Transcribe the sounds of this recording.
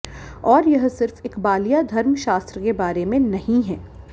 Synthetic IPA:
ɔːɾjɐɦsɪɾfɪkbaːlijad̪ʱɐɾmʃaːst̪ɾəkebaːɾemẽnɐɦĩɦɛː

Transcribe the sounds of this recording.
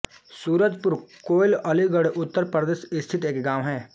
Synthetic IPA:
suːɾət̪pʊɾkoːɪlɐliɡəɽʔʊt̪ːəɾpɾəd̪eːsɪst̪ʰɪt̪eːkɡãːʋɦɛ̃ː

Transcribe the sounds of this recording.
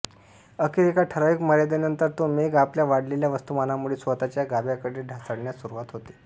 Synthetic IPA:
əkiɾekaʈʰəɾaʋikməɾjad̪anənt̪əɾt̪omeɡapljaʋaɽleljaʋəst̪umanamuɭesʋət̪at͡ɕjaɡabjakəɽeɖʱasəɽɳjasuɾuʋat̪ɦot̪e̥

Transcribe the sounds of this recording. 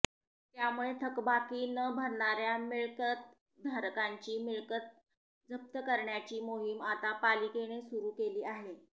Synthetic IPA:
t̪jamuɭet̪ʰəkbakiːnəbʱəɾɳaɾjamiɭkət̪̚ | d̪ʱaɾkaɲt͡ɕiːmiɭkət̪̚ | d͡zəp̚t̪əkəɾɳjat͡ɕiːmoɦimat̪apalikeɽ̃esuɾuːkeliːaɦe

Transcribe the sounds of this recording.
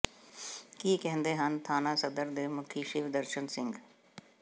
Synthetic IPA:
kiːkɛɦə̃nd̪eɦənt̪ʰaːnasɐd̪əɾd̪eːmʊkʰiʃɪʋd̪əɾʃənsɪ̃ŋɡ

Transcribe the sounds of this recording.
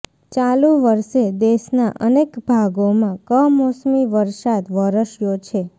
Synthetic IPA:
t͡ʃalũʋəɾʃed̪eʃnaʔənekbʱaɡomãkəɦmosmiʋəɾʃat̪ʋəɾəʃjot͡ʃʰe

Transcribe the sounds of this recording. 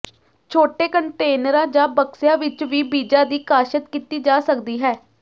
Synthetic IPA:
t͡ʃʰoːʈeːkəɳʈeːnəɾãːd͡ʒaːbəksjãːʋɪt͡ʃʋiːbiːd͡ʒãːd̪iːkaːʃət̪kiːt̪iːd͡ʒaːsəkd̪iːɦɛː

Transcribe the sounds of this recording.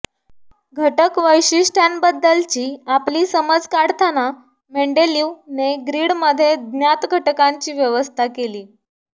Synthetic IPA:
ɡʱəʈəkʋəjɕisʈʰanbəd̪ːəlt͡ɕiːapliːsəməd͡zkaɽt̪ʰana | meɳɖeliːneɡɾiːɽməd̪ʱːjed̪njat̪ɡʱəʈəkaɲt͡ɕiːʋjəʋəst̪ʰakeliː

